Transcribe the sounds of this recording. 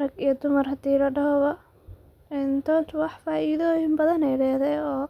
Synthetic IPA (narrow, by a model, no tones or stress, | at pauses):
ɾɐɡijɔd̪ʊmɐrɦɐd̪̥iːlɐɖɐɦɔβɐ | ɛnt̪ʰɔːnt̪ʰwɑħfaːiːðɔjɪmbɐðɐnɛjɖɛːðɛjɔː